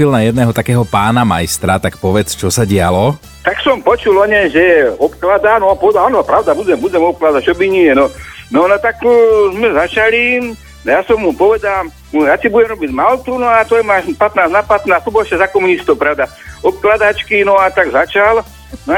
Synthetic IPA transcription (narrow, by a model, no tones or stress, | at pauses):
ilnajɛd̪nɛːɦɔt̪akɛːɦɔpaːnama̰jst̪ɾat̪akpɔʋɛt͡st͡ʃɔsaɟɪalɔ | t̪aksɔmpɔt͡ʃulɔɲɛʒɛɛɔpklad̪anɔapɔʋɛd̪alanɔpɾaʊd̪abuɟɛmbudɛmɔp̚klad̪at͡ʃɔbiniɛnɔnɔnɔt̪akzmɛzat͡ʃali | jasɔmːupɔʋɛd̪aːm | jasibuɟɛmɾɔbiɟmalt̪unɔat̪ɔjɛmaːʒpat̪naːznapat̪naːst̪ɔbɔlʃɛzakɔmunist̪ɔwpɾaʊd̪a | ɔp̚klad̪at͡ʃkinɔat̪aɡzat͡ʃal | nɔ